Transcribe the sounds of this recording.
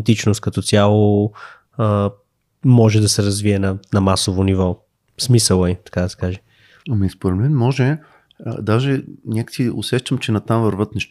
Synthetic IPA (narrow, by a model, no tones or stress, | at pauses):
t̪it͡ʃnʊst̪kɐt̪ɔt̪sʲjalˠo | ə | mɔʒɛd̪ɐsɛɾɐzviɛnɐnɐmasovonivɔ | smisəlˠəit̪ɐ̥kad̪ɐsɛ̥kaʒɛ | ɐmɐispoɾɛd̪mɛnmɔʒɛ̰ | d̪aʒɛnʲakə̥siʊsɛʃt̪əmt͡ʃɛnɐt̪amvəɾvɤt̪nɛʃ